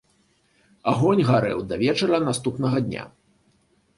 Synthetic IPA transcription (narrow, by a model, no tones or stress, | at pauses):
aɣɔnʲɣaɾɛ̰wd̪avʲɛt͡ʂɐɾɐnast̪upnɐɣɐd̪ʲnʲa̰